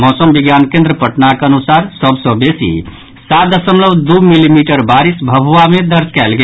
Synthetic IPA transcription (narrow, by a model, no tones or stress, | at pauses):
mɔsəmbiɡjankẽnd̪ɾəpəʈnakənusaɾsəbsə̃besḭ | sad̪əsəmləbd̪umilimiʈəɾbaɾisbʱəbʱuamed̪ʱəɾt͡ʃkɛlɡe